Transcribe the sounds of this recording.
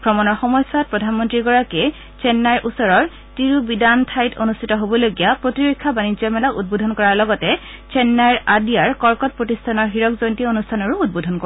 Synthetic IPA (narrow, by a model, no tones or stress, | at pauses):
kʰɹɔmɔnɔɹxɔmɔjsat̚pɹɔdʱanmɔntɹiɡɔɹakɛ | t͡ʃɛnːaɹʔusɔɹɔɹ | tiɹubidantʰajtonustʰitɔɦobɔloɡijapɹotiɹokʰːabanizɔmɛlaʔud̚bodʱɔnkɔɹaɹlɔɡɔtɛ | t͡ʃɛnːajɹadiaɹkɔɹkɔt̚pɹotistʰanɔɹɦiɹɔkzɔjntionustʰanɔɹuud̚bodʱɔnkɔ